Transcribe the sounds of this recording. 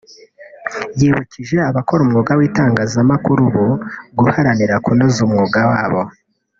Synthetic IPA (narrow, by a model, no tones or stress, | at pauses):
jiːβuciʒe̞aβako̞ɾumŋuːɡawiːtaːŋɡaːzamakuɾuβuɡuhaɾaniɾakunozumŋuːɡawaːβo̞